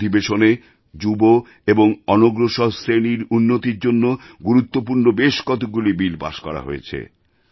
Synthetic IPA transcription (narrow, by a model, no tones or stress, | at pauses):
d̪ʱibeʃone | d͡ʑubo | eboŋɔnoɡɾoʃɔɦsɾeniɾunːot̪iɾd͡ʑonːoɡuɾut̪ːop̬uɾnobeʃkɔt̪ok̚ɡulibilpa̰ʃkɔɾa̰ɦo̰ḛt͡ɕʰḛ